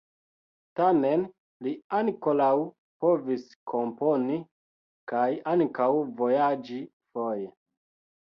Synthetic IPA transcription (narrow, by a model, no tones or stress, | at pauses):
tamen | liankolaw | po̞viskʰo̞mpo̞ni | kajaŋkawvojad͡ʒi | foje